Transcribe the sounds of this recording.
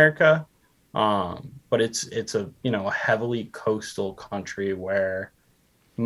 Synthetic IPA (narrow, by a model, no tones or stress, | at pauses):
ɹɨkə | ʔʌ̃mb̥ʌɾɨtsɪtsɨjɨñoʊəhɛvl̩ˠikʰoʊstl̩ˠkʰʌ̃nt͡ʃɹ̥iwə˞ | m